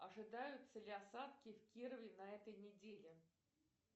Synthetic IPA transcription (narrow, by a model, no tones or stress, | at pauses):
ɐʐɨd̪ajʊtt̪səlʲɪɐsat̪kʲɪfkʲiɾəvʲɪnɐɛt̪əjnʲɪdʲelʲɪ